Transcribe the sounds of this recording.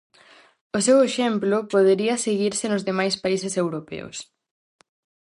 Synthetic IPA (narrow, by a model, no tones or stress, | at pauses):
ʊseweʃemplʊpoðeɾiɐseɣiɾsɪnʊzðemajspaisesewɾopḛo̰s